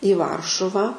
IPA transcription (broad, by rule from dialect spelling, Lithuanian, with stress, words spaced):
ɪ ˈʋɐrʃʊʋɑː